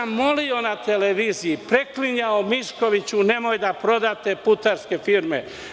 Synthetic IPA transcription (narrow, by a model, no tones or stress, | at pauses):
mːo̞lio̞nat̪eleʋiːzijipɾe̞kliɲaomiʃko̞ʋit͡ɕune̞mojd̪apɾo̞d̪at̪e̞put̪aɾske̞fiɾme